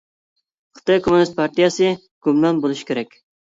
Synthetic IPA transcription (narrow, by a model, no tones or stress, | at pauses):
χɨ̥t̪ɑjkʰomunɨst̪̚pʰɑɾt̪ijɑsɨ | ɡ̥umlɑnbolˠuʃi̥kʲʰeɾɛkʲ